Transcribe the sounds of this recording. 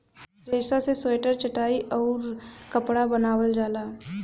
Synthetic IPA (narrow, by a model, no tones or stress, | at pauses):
d͡ʒeːsaseseːʈəɾt͡ʃɐʈaːiʔɔːɾkɐpɽabɐnaːwəld͡ʒaːlaː